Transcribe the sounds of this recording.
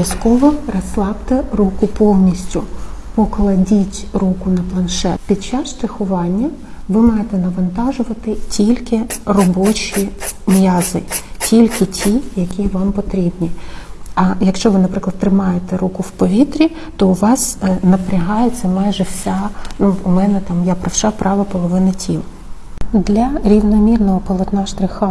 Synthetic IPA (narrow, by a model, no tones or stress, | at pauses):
jɐskɔʋɔrɐslˠɑpt̪ɛrukʊpɔwnʲisʲtʲʊpɔklˠɐdʲitʲrukʊnɐplˠɐnʃɛ̰t̪pʲid̪̚t͡ʃɑsʃt̪ɾɐxʊʋɑnʲːɐʋɪmɑjet̪ɛnɐʋɐnt̪ɑʒʊʋɐt̪ɪtʲilʲkɪrɔbɔt͡ʃʲimjɑzɪtʲilʲkɪtʲʰijɐkʲiʋɑmpɔt̪ɾʲibnʲiɐjɐkʃt͡ʃɔʋɪnɐpɾɪklˠɐd̪t̪ːɾɪmɑjet̪ɛɾukʊwpɔʋʲit̪ɾʲi | t̪ɔʊʋɑsnɐpɾʲɐɦɑjet͡sʲːɐmɑjʒɛwsʲanuːmɛnɛt̪ɑmjapɾɐwʃɑpɾʔɑʋɐpɔlˠɔʋɪnɐtʲʰḭlˠ | d̪lʲɐɾʲiʋnɔmʲirnɔɦɔpɔlˠɔt̪nɑʃt̪ɾɪxɐ